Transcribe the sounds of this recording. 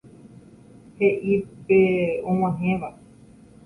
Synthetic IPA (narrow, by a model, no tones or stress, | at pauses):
heʔipeõw̃ãɦẽʋa